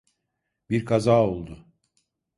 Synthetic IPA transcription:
biɾkʰazaːo̞lˠd̪ʊ

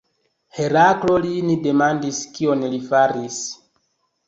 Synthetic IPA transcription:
he̞ɾaklo̞linide̞mandiskio̞nlifaɾis

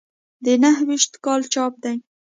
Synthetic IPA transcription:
d̪enaɦwiʃt̪kɑlt͡ʃɑp̚d̪aj

